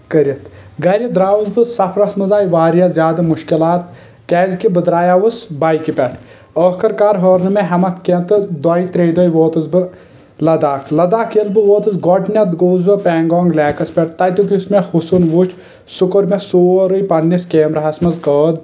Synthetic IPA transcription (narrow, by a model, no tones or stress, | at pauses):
kɐɾɐt̪ɡɐɾʲɐd̪ɾaːʋuzbɨsɐpʰɾɐsmɐzaːjiʋaːɾijɐzʲjaːd̪ɐmuʃkilaːt̪ | kɛːzkibɨd̪ɾaːjaːʋɨsbaːjkipʲɛʈʰ | əːhkɐɾkaːɾɦoːɾnɨmeɦɐmɐt̪ket̪ɨd̪ɔjt̪ɾeːjd̪ojʋoːt̪ɨzbɨ | lɐd̪aːkʰlɐd̪aːkʰilbɨʋoːt̪ɨzɡɔʈʰnʲɐt̪ɡoːzbɨpʲɛːŋɡɔːŋɡlɛːkɐspʲɛʈ̚t̪ɐjt̪ukismexusunʋut͡ʃʰ | sukoɾmesoːɾɨjpɐnːiskeːmɾɐɦɐsmɐzkəːd̪̚